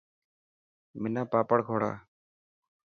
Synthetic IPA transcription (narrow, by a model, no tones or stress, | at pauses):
mɪnaːpaːpəɽɡʱoːɽa̰ː